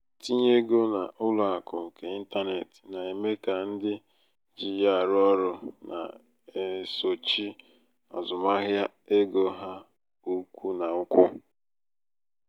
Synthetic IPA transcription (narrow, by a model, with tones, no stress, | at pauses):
ti˦ɲe˦ɡo˦na˨ʔʊ˦lʊ˨a˨kʊ˨ŋ̩˨ke˨i˦n̩˦ta˦ne˨tna˨i˨me˦ka˨n̩˦dɪ˦ | d͡ʒi˨ja˦˨ɾʊ˦ɔ˦ɾʊ˦na̰˨ | e˨so˨t͡ʃi˦ | ɔ̰˨zʊ˨ma˦ɣja˦ | e˦ɡo˨ɦa˦ | u˦kʷu˦na˨ʊ˦kʷʊ˦